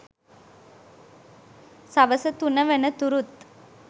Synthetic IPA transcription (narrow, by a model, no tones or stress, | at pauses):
sɐʋɐsɐt̪unɐʋɐnɐt̪uɾut̪